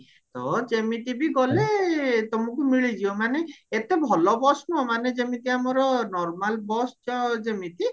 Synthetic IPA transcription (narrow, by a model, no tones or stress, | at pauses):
t̪ɔ̰d͡ʒemit̪ibiɡɔlet̪omukumiɭid͡ʒiomaneet̪ebʱɔlɔbɔsnuɦɔmaned͡ʒemit̪iamɔɾɔnɔɾmalbɔst͡ʃɔd͡ʒemit̪i